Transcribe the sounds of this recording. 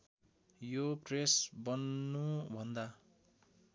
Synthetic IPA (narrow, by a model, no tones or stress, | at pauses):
jopresbʌnːubʱʌnd̪a